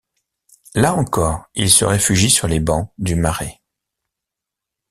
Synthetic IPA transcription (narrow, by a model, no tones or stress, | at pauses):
laɑ̃kɔːʁilsə̰ʁefyʒisyʁlebɑ̃d̪ymaʁe